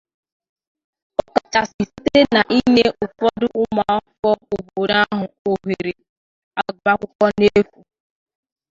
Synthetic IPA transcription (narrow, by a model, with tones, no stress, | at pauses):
ɔ˦ka˨t͡ʃa˨sɪ˨si˦te˦na˨ʔi˦ɲe˦ʔʊ˨fɔ˦dʊ˦ʔʊ˦ma˨ɔ˦fɔ˦ʊ˨bo˨ɾa˦ɦʊ˨o˨ɦe˨ɾe˨ | a˨ɡ͡ba˦kʷʊ˦kʷɔ˦ne˦fu˨